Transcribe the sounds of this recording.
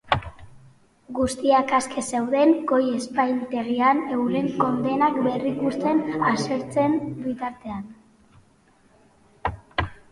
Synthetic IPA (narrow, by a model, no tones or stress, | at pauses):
ɡust̪iakaskʰe̞se̞wðe̞ŋɡo̞je̞spajnt̪e̞ɣ̞iane̞wɾe̞ŋko̞nd̪e̞nakbe̞rikust̪e̞naseɾt͡se̞mbit̪aɾt̪e̞an